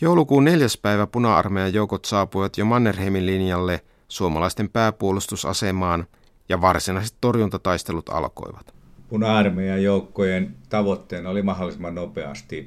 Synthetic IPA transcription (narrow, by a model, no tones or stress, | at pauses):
jowlukuːnne̞ljæspæiʋæpunɑɑ̰rmejɑjowkot̪sɑːpujʋɑt̪jomɑnːerhemillinjɑlːe | suomɑlɑist̪e̞mpæːpuolust̪usɑ̰semɑːn | jɑʋɑrsinɑis̬et̪to̞rjunt̪ɑt̪ɑist̪elut̪ɑ̰lko̰iʋɑt̪punɑɑrmejɑjoˑukːojent̪ɑʋot̪ːeːnolimɑholːˑisemːˑɑnnopeɑ̰st̪i